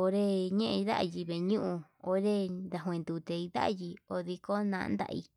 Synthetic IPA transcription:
o˧ɾe˦ɲẽ˦ʔẽ˧ða̰˦ʔji˧βe˨ɲũ˦ʔũ˧o˧ɾe˦nd̪a˨ɦw̃ẽ˧nd̪u˧t̪e˧i˧ða̰˦ʔji˧o˧ði˧ko˦nã̰˧nd̪a̰˧ʔḭ˧

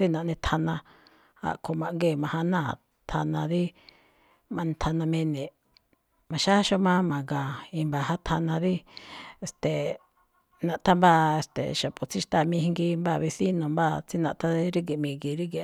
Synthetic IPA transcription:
t͡si˦nã˨ʔnĩ˧t̪ʰa˧nã˧ | a̰˧ʔkʰo˧mã˧ʔŋɡe˧˨mã˧hã˧nã˦˨ | t̪ʰa˧nã˧ði˦ | mã˧ʔnĩ˧t̪ʰa˧nã˧mẽ˧nĩ˨ | mã˨ʃa˦ʃo˧˦mã˦mã˨ŋɡã˨ĩ˧mba˧˨ha˦t̪ʰa˧nã˧ði˦e˧˨st̪e˨ | nã˧˨ʔt̪a˦mba˧e˧˨st̪ḛ˨ʃa˨po˨t͡si˦ʃt̪a˦˨mĩ˧hi˧ŋɡi˧mba˧˨βi˧si˦nõ˨mba˦t͡si˦nã˧˨ʔt̪ʰa˦i˦ɾi˦ɡi˨mĩ˧ŋɡi˧˨ɾi˦ɡi˨

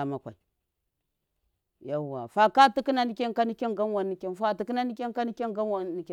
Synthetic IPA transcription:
a˨ma˨kʷa̰˨i˨ | ja˨wa̰˨fa˦ka˦ti˦ki˦na˦ni˦kʲe˦nka˦ni˦kʲe˦ŋɡa˦nwa˨nːi˨kʲe˦nfa˦˨ti˨ki˦na˦ni˦kʲe˦nka˦ni˦kʲe˦ŋɡa˦nwa˨˦ni˨kʲ

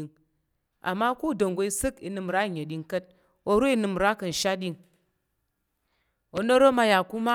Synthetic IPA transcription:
i˨ŋ | a̰˨mːa˦ku˦˨do˨ŋɡu˨i˧sɨ˦kḭ˧nɨ˧m˨ɾa˦˨ɲ˨e˨ɗʲi˧ŋ˦kɐ˦t̚ | o˦ɾu˦i˦nɨ˧m˨ɾa˦kɨ˨n̩˨ʃa˦ɗʲi˦˧ŋ | o˨no˦ɾo˦ma˧ja˨ku˦ma˦

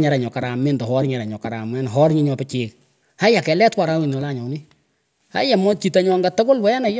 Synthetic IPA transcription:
ɲa˨ɾa˨ɲɔ˨ka˨ɾa˨me˦ndɔ˨hɔ˦ɾɲɛ˨ɾa˨ɲɔ˨ka˨ɾa˨mɛ˦nɦɔ˦rɲi˦ɲɔ˧pɪ˦t͡ʃɪː˨k | a˦ja˨kɛ˨lɛ˦twa˨ɾa˦wi˨n˨ɔ˨la˦˨ɲɔ˨˦ni˦ | a̰˦ja˨mɔ˦t͡ʃi˨ta˨ɲɔ˦ŋɡa˦to˦ko˦lwɛ˦jɛ˦na˨j

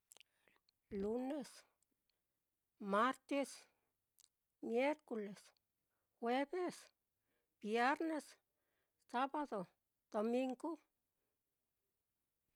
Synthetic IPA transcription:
lu˧˦ne˧s | ma˦ɾt̪e˦s | mje˦ɾko˧˨le˨s | xwe˦be˦s | b̥je˦ɾne˧s | sa˦ba˦d̪o˨ | d̪̥o˧mi˧ŋɡo˦

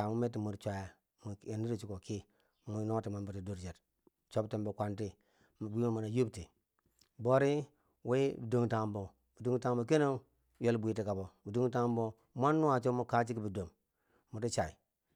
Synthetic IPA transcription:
a˨mu˦me˦tːi˨mu˨ɾt͡ʃʷa˨ja˨ | mu˨e˨ni˦ɾi˨t͡ʃu˨ko˨ki˦ | mu˨˦no˦ti˨ma˦nba˨ti˨du˦ɾd͡ʒe˨t | t͡ʃo˦bte˨mbo˨kʷa˨nti˦˨ | bʷi˦mo˦˨mu˨na˨ju˦bti˨ | bo˦ɾi˦ | we˦bi˨do˦ŋta˨m˦bo˨ | bi˨du˦ŋta˦ŋbo˨k̬e˦ne˦ | je˦lbʷi˨ti˨ka˨bo˨bi˨du˦ŋta˦m˦bo˦ | mʷa˦nːu˦a˨t͡ʃo˦mu˦ka˦t͡ʃi˦ki˦bi˨do˨mː | u˨ti˦t͡ʃa˨ḭ˨

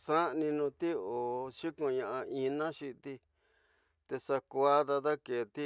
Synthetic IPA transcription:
sã˦nĩ˧nũ˧t̪i˦o˨ʃi˦kũ˧ɲã˧ʔã˧i˧nã˦ʃi˧t̪i˧ | t̪e˧sa˧kʷa˦ða˧ða˦ke˨t̪i˦

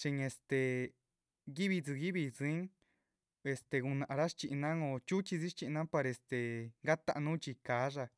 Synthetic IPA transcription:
ʂi˧ŋe˧st̪e˨ | ɡi˦βi˧t͡si˧ɣi˦βi˧zi˧˦ŋ | e˧st̪e˧ɣu˧nã˨ʔa˧ɾa˦ʂt͡ʃi˧ʔnã˦õ˧˨t͡ʃu˦t͡ʃi˧zi˦ʃt͡ʃi˧ʔnã˦pa˧ɾe˧st̪e˨ŋɡa˦t̪a˦˧nũ˦t͡ʃi˧kaː˨˦ʐa˧

